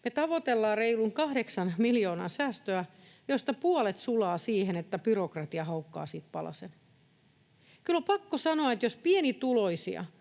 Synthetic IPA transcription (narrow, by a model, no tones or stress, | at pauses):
met̪ɑʋot̪elːɑːrreiluŋkɑhɾeksɑnmiljoːnɑ̰nsæːst̪øæjost̪ɑpuɔlet̪sulɑːsiːhenet̪ːæpyrokrɑt̪iɑhɑukːɑ̰ːsiːt̪pɑlɑ̰sen | kylpɑkːosɑnoɑet̪jospienit̪uloisḭɑ̰